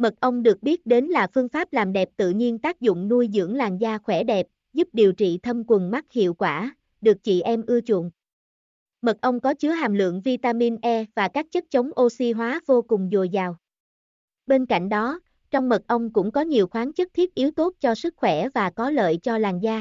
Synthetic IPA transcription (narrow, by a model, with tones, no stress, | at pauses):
mə˨˩t̚ʔə˧wŋ͡mɗɨ˨˩ək̚ɓi˦˥ət̚ɗe˨˦nlaː˨˩fɨ˧əŋfaː˦˥p̚laː˨˩mɗɛ˨˩p̚t̪ɨ̰˧˨ɲi˧ənt̪aː˦˥k̚zʊ̰˧˨ŋ͡mnu˧jzɨ̰˧˥əŋlaː˨˩ŋzaː˧xwɛ˧˩ɗɛ˨˩p̚ | zu˦˥p̚ɗi˨˩əwt͡ɕḭ˧˨t̪ʰə˧mkwə˨˩nma˦˥k̚hḭ˧˨əwkwaː˧˩ | ɗɨ˨˩ək̚t͡ɕḭ˧˨ʔɛ˧mʔɨ˧ət͡ɕʊ̰˧˨ən | mə˨˩t̚ʔə˧wŋ͡mkɔ˨˦t͡ɕɨ˨˦əɦaː˨˩mlɨ̰˧˨əŋvi˧t̪aː˧mi˧nʔɛ˧vaː˨˩kaː˦˥k̚t͡ɕə˦˥t̚t͡ɕə˨˦wŋ͡mʔo˧si˧ɦwaː˨˦vo˧kʊ˨˩ŋ͡mzo˨˩jzaː˨˩w | ɓe˧nka̰˧˨jŋ̟ɗɔ˨˦ | t͡ɕɔ˧wŋ͡mmə˨˩t̚ʔə˧wŋ͡mkʊ̰˧˥ŋ͡mkɔ˨˦ɲi˨˩əwxwaː˨˦nt͡ɕɨ˦˥t̚t̪ʰi˦˥t̚ʔi˨˦wt̪o˦˥t̚t͡ɕɔ˧sɨ˦˥k̚xwɛ˧˩vaː˨˩kɔ˨˦lə̰ː˧˨jt͡ɕɔ˧laː˨˩ŋzaː˧